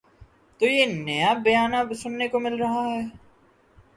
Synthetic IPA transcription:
t̪oːjeːnɐjabɐjaːnabɪsʊnːekomɪlɾɐɦaɦɛː

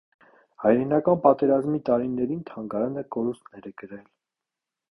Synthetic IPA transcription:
hɑjɾɛnɑkɑnpɑt̪ɛɾɑzmit̪ɑɾinɛɾint̪ʰɑŋɡɑɾɑnəkɔɾust̪nɛɾɛɡəɾɛl

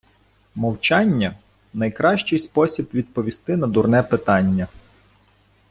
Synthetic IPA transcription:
mɔlˠt͡ʃɑnʲːɐ | nɐjkɾɑʃt͡ʃɪjspɔsʲibʋʲid̪̚pɔʋʲist̪ɪnɐd̪urnɛpɪt̪ɑnʲːɐ

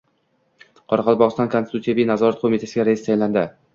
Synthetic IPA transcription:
qʰɒɾɑqʰɑlˠbɒʁɨst̪ɒnkʰonsɪt̪ut̪sjavijnazɒɾat̪̚qʰomit̪ʰasɪɡʲaɾaɪst̪ʰajnland̪ɪ

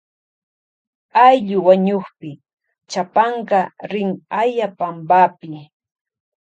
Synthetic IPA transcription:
ajʎʊwaɲoχpɪ | t͡ʃapɑɴɢɑɾɪŋajapambapɪ

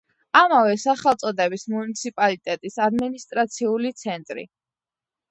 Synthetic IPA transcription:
amavɛsaχɛlˠt̪sʼɔd̪ɛbismunit̪sʰipʼalit̪ʼɛt̪ʼisad̪minist̪ʼɾat̪sʰiulit̪sʰɛnt̪ʼɾḭ

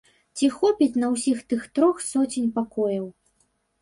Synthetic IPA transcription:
t͡sʲixɔpʲit͡sʲnɐwsʲixt̪ɨxt̪ɾɔxsɔt͡sʲinʲpakɔjɐw

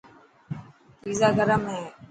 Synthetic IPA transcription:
piːzaːɡəɾəmɦeː

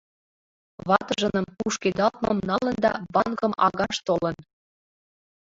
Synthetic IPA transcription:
βɑt̪ɤʒə̆nɤ̆mpuʃked̪ɑt̪̚mɤ̰mnɑlə̆nd̪ɑ̰bɑŋɡɤmʔɑɣɑʃt̪olɤ̆n

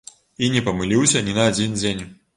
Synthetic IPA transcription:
inʲɛpɐmɨlʲiwsʲɐnʲinɐːd͡zʲind͡zʲenʲ

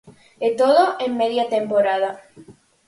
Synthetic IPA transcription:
et̪oðoʔemːeðjat̪empoɾaða

